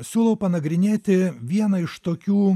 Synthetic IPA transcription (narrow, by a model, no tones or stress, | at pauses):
sʲuːlˠɐʊpɐnɐɡɾʲɪnʲeːt̪ʲɪʋʲiɛnɐɪʃt̪oːkʲuː